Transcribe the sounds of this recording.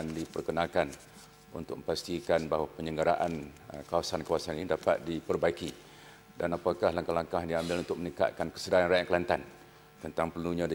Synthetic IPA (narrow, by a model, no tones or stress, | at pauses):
ndipərkənãlkan | ṵnt̪ʊ̰k̚mə̃mpast̪ikanbaɦwapəɲəŋɡəɾaʔankawasankawasaninidapa̰t̪̚dipərbaiki | danapakahlaŋkahlaŋkahdiambɪlunt̪ʊk̚mənika̰ʔ̪̚kankə̥sədaɾanrajaʔkəlant̪an | t̪ənt̪aŋpəlnuɲãdi